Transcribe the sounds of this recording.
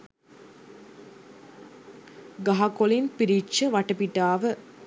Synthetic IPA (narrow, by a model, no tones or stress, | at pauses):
ɡɐɦɐkolinpiɾit͡ʃːəʋɐʈəpiʈaːʋə